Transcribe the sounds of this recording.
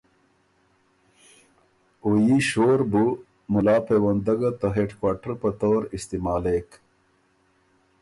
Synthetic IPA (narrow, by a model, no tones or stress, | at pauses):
ujiɕoːɾbu | mulaːpeːwɐnd̪ɐɡat̪ɐɦeʈkwaːʈəɾpət̪oːɾist̪imaːlek